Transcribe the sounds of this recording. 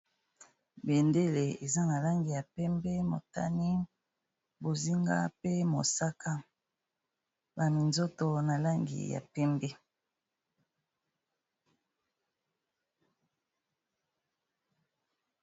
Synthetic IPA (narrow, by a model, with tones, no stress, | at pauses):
be˨nde˦le˨e˨za˦na˨la˦ŋɡi˨ja˨pɛ˦mbɛ˦mo̰˨ta̰˦ni˦ | bo˨zi˦ŋɡa̰˦pe˦mo˨sa˦ka˦ | ba˨mi˨nzo˦to˨na˨la˦ŋɡḭ˨ja̰˨pɛ˦mbɛ˦